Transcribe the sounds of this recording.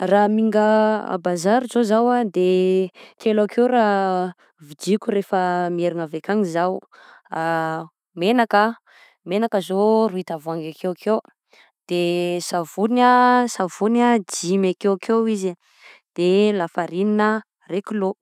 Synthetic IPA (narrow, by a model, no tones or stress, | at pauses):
ramiŋɡəa̰bazaɾizozawad̪ek̪ʰelakʰewra | vid͡ʒikʲuɾefəmieɾiŋavekaŋizaw | a | menakə | menakəzoruit̪avuaŋɡakʰewkʰew | d̪̥esavunasavunad͡ʒimakewakʰewizi | d̪̥elafaɾininə | rekilo